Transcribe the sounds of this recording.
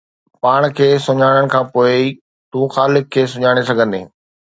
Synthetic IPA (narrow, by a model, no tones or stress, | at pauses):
paːɽ̃kʰeːsʊɲaːɽ̃əɽ̃kʰãːpoːɪ | t̪ũːxaːlɪkʰːeːsʊɲaːɽ̃esɐɡʱə̃nd̪ḛː